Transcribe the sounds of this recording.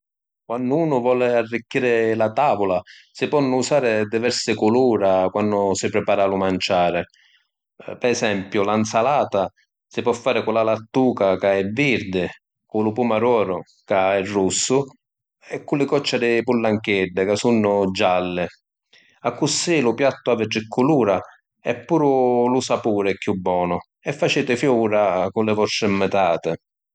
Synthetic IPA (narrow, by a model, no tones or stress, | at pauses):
kwanːʊuːnʊvɔːlɪarːikːiːɾɪlat̪aːvʊlasɪpɔnːʊusaːɾɪd̪ivɛɾsɪkʊluːɾakwanːʊsɪpɾɪpaːɾalʊmant͡ʃaːɾɪ | pɛɛsɛmpjʊlansalaːt̪a | sɪpwɔfːaːɾɪkʊlalat̪ːuːkakaɛvːiɾd̪ɪ | kʊlʊpumaɾwɔːɾʊ | kaɛrːusːʊ | ɛkːulːɪkɔt͡ʃːad̪ɪpulːaŋkɛɖːɪkasunːʊd͡ʒalːɪ | akːusːilʊpjat̪ːʊavɪdːɪkʰːuluːɾa | ɛpːuːɾʊlʊsapuːɾɛkːjubːɔːnʊ | ɛfːat͡ʃeːt̪ɪfjuːɾakʊlɪvɔst̪ɾɪmːɛt̪aːt̪ɪ